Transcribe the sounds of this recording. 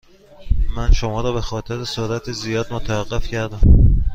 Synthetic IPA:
mænʃo̞mɒːɾɒːbe̞xɒːt̪ʰe̞ɾesoɾæt̪ʰezijɒːd̪̚mot̪ʰævæɢːe̞fcʰæɾd̪æm

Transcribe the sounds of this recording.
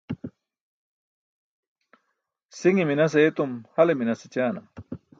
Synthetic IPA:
siŋiminɐs̬eːt̪umhɐleminɐset͡ɕaːnɐ̰m

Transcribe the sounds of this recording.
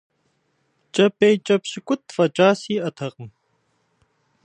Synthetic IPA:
t͡ʃʼɐpʼːejt͡ʃʼɐpɕɪkʷʼʊt̪̚ʰfɐt͡ʃʼaːsiːɐt̪ʰɐqʼəm

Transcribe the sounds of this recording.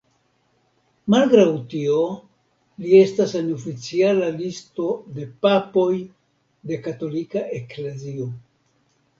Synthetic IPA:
malɡɾawtio̞ | lie̞stasenofit͡sialalisto̞de̞papo̞j | de̞kato̞likaʔeklezio̞

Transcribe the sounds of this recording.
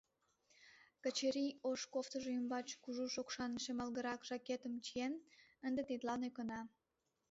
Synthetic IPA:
kət͡ɕeɾioʃkoft̪əʒeymbɑt͡ɕkuʒuʃokʃɑnʃemɑlɣəɾɑkʒɑket̪əmt͡ɕienənd̪et̪et̪lɑnekənɑ

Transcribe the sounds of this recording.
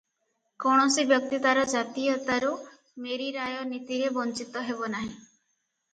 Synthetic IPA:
koɳ̃ɔsibjɔk̚t̪it̪aɾɔd͡ʒat̪ijɔt̪aɾu | meɾiɾajɔnit̪iɾebɔnt͡ʃit̪ɔɦebɔnaɦĩ

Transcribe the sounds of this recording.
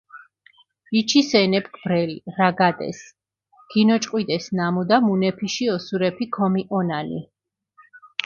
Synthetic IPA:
it͡ʃʰisɛnɛp̚ʰkʰbɾɛlḭɾaɡad̪ɛ̰s | ɡ̥inɔt͡ʃʼqʼwid̪ɛsnamud̪amunɛpʰiʃiɔsuɾɛpʰikʰɔmiʔɔnanḭ

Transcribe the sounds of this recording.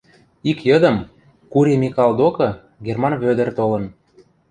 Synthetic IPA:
ikjɤ̆d̪ə̆m | kuɾʲemʲikɑlˠd̪okɤ̆ | ɡermɑnβød̪ə̆rt̪olɤ̆n

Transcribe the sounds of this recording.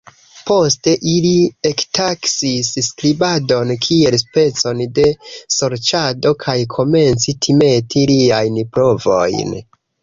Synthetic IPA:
po̞ste̞ʔiliektʰaksisskɾibado̞nkʰie̞lspe̞t͡so̞nde̞so̞ɾt͡ʃado̞kʰajkʰo̞me̞nt͡sitʰime̞tiliajnpɾo̞vo̞̰jn

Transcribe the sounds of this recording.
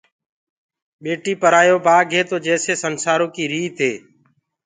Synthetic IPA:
ɓeːʈiːpəɾaːjoːbaːɡʱeːt̪oːd͡ʒɛːseːsənsaːɾõːkiːɾiːt̪ʰeː

